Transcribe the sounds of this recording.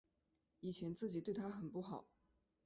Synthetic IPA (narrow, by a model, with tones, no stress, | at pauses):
i˨˩t͡ɕʰjɛ˧˥nt͡sɹ̩˥˩t͡ɕi˨˩t̪we˥˩ɪt̪ʰa˥xə˨˩npu˥˩xɑ˨˩˦ʊ